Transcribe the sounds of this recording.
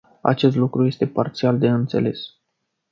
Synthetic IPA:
a̰t͡ʃe̞st̪lukɾuje̞st̪e̞part̪siald̪e̞ɨnt̪se̞̰le̞s

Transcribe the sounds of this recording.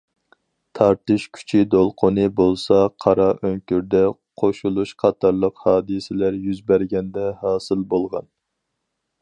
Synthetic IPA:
t̪ʰɑɾt̪ɨʃkʲʰy̥t͡ʃʰid̪olˠqʰʊnɨbolˠsɑqʰɑɾɑʔøŋkʲyɾd̪ɛqʰoʃulˠuʃqʰɑt̪ʰɑɾlˠəqhɑːd̪ɨsɪlæɾjyzbæɾɡʲɛnd̪ɛhɑːsɨlbolˠʁɑ̰n

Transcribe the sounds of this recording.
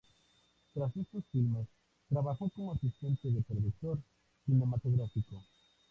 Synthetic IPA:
t̪ɾasest̪osfilmes | t̪ɾaβaθowkoŋasist̪ent̪ɪðɪpɾoðuk̚t̪oɾ | sinemat̪oɣɾafiko

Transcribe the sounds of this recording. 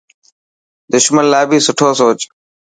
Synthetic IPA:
d̪ʊʃmənlaːbiːsʊʈʰoːsoːt͡ʃ

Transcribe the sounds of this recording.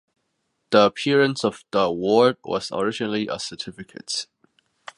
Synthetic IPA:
ðiəpʰiɹə̃nsɔv̥ðəəwɔɹd̚wɔ̰z̥ə̰ɹɪd͡ʒɪnəliʔə̰sə˞tʰɪfɪkʰə̰t

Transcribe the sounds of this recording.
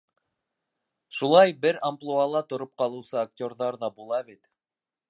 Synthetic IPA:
ʃulˠɑjbɘɾamplˠualˠɑt̪ŏɾop̚qɑlˠɤ̆wsɤak̚tʲo̞rðɑɾðɑbulˠɑβit̪

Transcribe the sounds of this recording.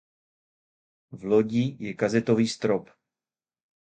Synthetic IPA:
vloɟijɛkazɛt̪oviːst̪ɾop

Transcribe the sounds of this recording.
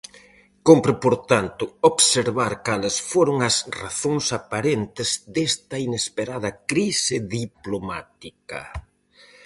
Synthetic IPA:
kompɾʊpoɾt̪ant̪ʊoβseɾβaɾkalesfoɾʊŋɐsraθoŋsapaɾent̪ɪzd̪est̪ɐinespeɾaðɐkɾisɪðiplomat̪ikɐ̰

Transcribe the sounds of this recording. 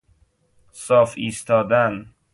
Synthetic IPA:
sɒːfiːst̪ʰɒːd̪æn

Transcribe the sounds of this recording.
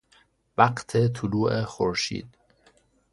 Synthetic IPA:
væqt̪ʰet̪ʰuluːʔexoɾʃḭːd̪̥

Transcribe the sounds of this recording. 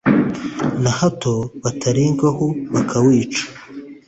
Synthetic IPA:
nahatʰoβatʰaɾiːŋɡahoβakʰawiːt͡ʃḁ

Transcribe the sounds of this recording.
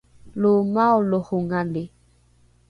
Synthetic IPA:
lomaolohoŋande

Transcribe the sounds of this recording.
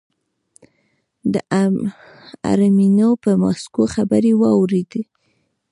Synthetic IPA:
d̪ə | a̰ɾminopəmɑskoxabəɾewɑwɾed̪i

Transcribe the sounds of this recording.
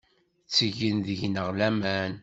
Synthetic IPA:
t͡sːəʝənðəʝnəʁlæmæn

